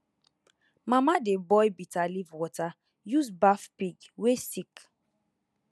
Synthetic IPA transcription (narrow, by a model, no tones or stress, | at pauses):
mamadebɔjbitalivwɔta | juzbafpiɡwesik